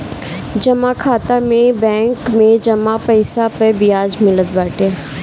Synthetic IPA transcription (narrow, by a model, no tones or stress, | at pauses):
d͡ʒɐmakʰaːt̪amẽbɛ̃ːŋkmẽd͡ʒɐmapəɪsapəbɪjaːd͡ʒmɪlət̪baːʈeː